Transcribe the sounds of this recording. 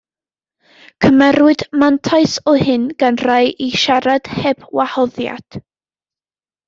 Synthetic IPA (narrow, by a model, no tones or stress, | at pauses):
kʰəmɛɾwɨdmantʰaɨsɔhɪnɡ̥anrajʔiʃaɾad̥hɛbwahɔðja̰d̥